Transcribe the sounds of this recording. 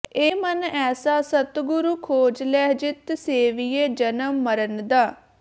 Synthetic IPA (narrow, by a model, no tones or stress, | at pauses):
eːmənɛːsaːsət̪ɡʊɾuːkʰoːd͡ʒlɛːɦd͡ʒɪt̪seːʋijeːd͡ʒənəmːəɾənd̪aː